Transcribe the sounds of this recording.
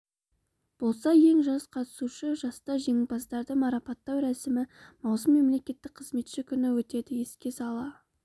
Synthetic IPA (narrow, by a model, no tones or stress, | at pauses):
b̥o̞lˠsɑje̞ŋʒɑzqʰɑt̪ə̥suʃəʒɑst̪ɑʒe̞ŋɪbɑst̪ɑɾd̪əmɑɾɑpɑt̪ːɑwɾæsɪmɪmɑwsəmːe̞mle̞kʲe̞t̪ːɪk̚qʰəzme̞t̪ʃɪkʲʰʏnɪwɵt̪e̞d̪ɪje̞skʲe̞sɑlˠɑ